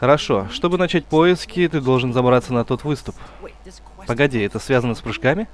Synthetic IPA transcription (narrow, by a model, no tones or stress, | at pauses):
xəɾɐʂo̞ʂt̪o̞bɨnɐt͡ɕæt̚ʲpo̞ɪskʲɪt̪ɨd̪o̞lˠʐɨnzɐbɾat̪sənɐt̪o̞t̪vɨst̪ʊp | pəɡɐdʲiɛt̪əsvʲazənːəspɾʊʂkamʲɪ